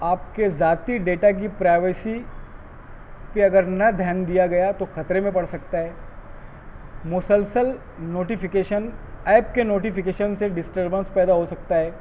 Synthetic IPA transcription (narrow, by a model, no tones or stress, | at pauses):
aːp̚kezaːt̪iɖeːʈak̬ipɾaːɪʋesi | peɐɡəɾnɐd̪ʱjaːnd̪ijaɡɐjat̪oxɐt̪ɾemẽpɐɽsɐk̚t̪aɦɛː | mʊsəlsəl | noːʈifɪkeːʃənɛːp̚kenoːʈifɪkeːʃənseɖɪsʈəɾbə̃nspɛːd̪aɦosɐk̚t̪aɦɛː